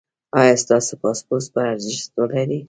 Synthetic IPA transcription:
ɑjɑst̪ɑsepɑspospaaɾzɪʃt̪əlaɾi

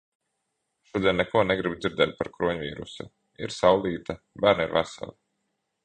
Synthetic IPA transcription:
ʃuɔd̪iɛnʲnɛkuɔnɛɡɾibd̪ziɾd̪ɛːt̪̚paɾkɾuɔɲvḭːɾṵsa | ḭɾsawliːt̪a | bæːɾnḭɾvæsa̰lˠi

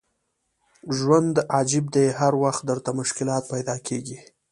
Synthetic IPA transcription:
ʒwand̪ɑd͡ʒɪb̚d̪ejɦaɾwaxt̪̚d̪əɾt̪amʊʃkɪlɑt̪̚pajd̪ɑkʰeɡi

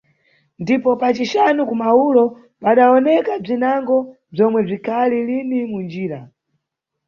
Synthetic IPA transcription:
ndipɔpat͡ʃiʃanukumaulɔ | paɗaɔnɛkab͡ʐinaŋɡɔ | b͡ʐɔmwɛb͡ʐikʰalilinimund͡ʒiːɾa

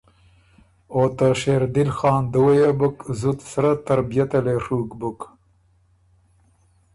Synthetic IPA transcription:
oːt̪ɐʃeːɾd̪ilxɑːnd̪əwɐjebɨkzut̪sɾɐt̪ɐɾbijɐt̪ɐleʂuːkbɨk

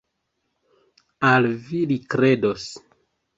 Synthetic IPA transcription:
alvilikɾe̞dos

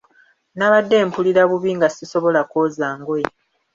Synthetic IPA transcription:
naβadːe̞ːmpuliɾaβuβiŋɡasiso̞βo̞lakozaːŋɡoe

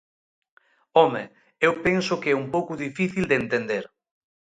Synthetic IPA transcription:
ɔme | ewpensʊkeɛumpowkʊðifiθild̪ent̪end̪eɾ

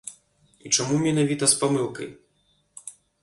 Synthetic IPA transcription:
it͡ʂamumʲɛnavʲit̪ɐspamɨlˠkɐ̰j

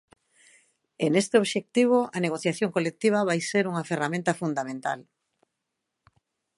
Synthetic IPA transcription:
enest̪eoβʃek̚t̪iβ̞oaneɣ̞oθjaθjoŋkolek̚t̪iβ̞aβajseɾuŋaferamẽnt̪ɐfund̪amẽnt̪a̰l

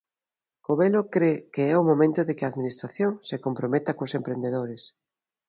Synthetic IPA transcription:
koβelokɾekeɛʊmomẽnt̪ʊðekɪaðminist̪ɾaθjoŋsekompɾomet̪akosempɾend̪eðoɾɪs

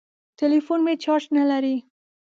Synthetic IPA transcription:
t̪elifunmet͡ʃɑʈnalaɾi

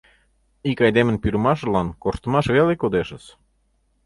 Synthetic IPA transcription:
ikɑjd̪emə̆npyɾmɑʃ̬ə̆lɑnkorʃt̪ə̆mɑʃβelekod̪eʃə̆s

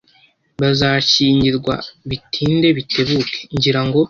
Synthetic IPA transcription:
βazaʃiːɲɟiɾɡwa̰βitʰiːnde̞βite̞βukʰe̥ɲɟiɾaŋɡo̞

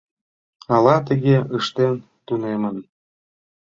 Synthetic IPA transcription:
ɑlɑt̪̬ə̆ɣeəʃt̪en | t̪unemən

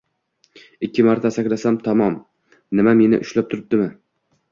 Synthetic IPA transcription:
ɪkʲːɪmaɾt̪ʰasakʲlasamt̪ʰɒmɒm | nɪmame̞nɪ̰ʔʊʃlap̚t̪ʰʊɾɪp̚d̪ɪmɪ

